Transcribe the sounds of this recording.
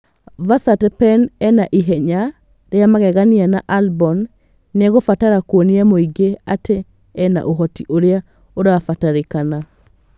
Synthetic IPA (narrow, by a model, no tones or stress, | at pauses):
vasatɛpɛnɛnaʔiɦɛɲa | ɾeamaɣɛɣanianaʔalbɔnː | ɣofataɾakwoniamoiɡeatʰeː | na̰ʔoɦɔtiʔoɾea | oɾafataɾekana